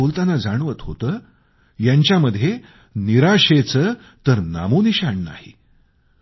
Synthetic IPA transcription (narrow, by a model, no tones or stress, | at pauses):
olt̪anad͡zaɳʋət̪ɦot̪əː | jaɲt͡ɕjaməd̪ʱːje | niɾaɕet͡səː | t̪əɾna̰moniɕaɳna̰ɦḭ